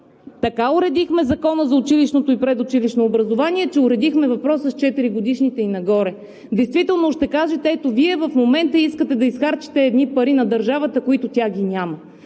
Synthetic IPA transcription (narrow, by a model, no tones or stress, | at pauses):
t̪ɐkaʊɾɛd̪ixmɛzɐkɔnəzɐʊt͡ʃiliʃnot̪oipɾɛd̪ʊt͡ʃiliʃnoːbɾɐzovaniɛt͡ʃɛʊɾɛd̪ixmɛvɐpɾɔsəst͡ʃɛt̪iɾiɡʊd̪iʃnit̪ɛinɐɡɔɾɛ | d̪ɛjst̪vit̪ɛlˠnoʃt̪ɛkaʒɛt̪ɛɛt̪oviɛvɐfmomɛnt̪əiskət̪ɛd̪ɐisxaɾt͡ʃi̥t̪ɛːd̪nipɐɾinɐd̪ɐɾʒavət̪əkoit̪ʊt̪ʲaɡʲinʲamə